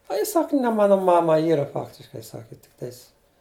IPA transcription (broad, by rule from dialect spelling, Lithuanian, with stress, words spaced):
ɐ ˈjɪ ˈsɐk nʲɛ ˈmɑːnɐ ˈmɑːmɐ ˈiːrɐ ˈfɑːktʲɪʃkɐɪ ˈsɑːkʲɪ tʲɪkˈtɐɪs